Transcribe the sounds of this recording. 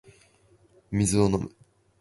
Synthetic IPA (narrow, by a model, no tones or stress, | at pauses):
mʲizɨonom̰